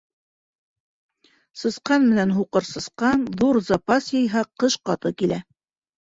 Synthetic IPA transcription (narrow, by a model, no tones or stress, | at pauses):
sɤ̆sqɑnmɘ̆nænɦuqɤɾsɤ̆sqɑnðuɾzɑpɑsjɤ̆jɦɑqɤʃqɑt̪ɤkilæ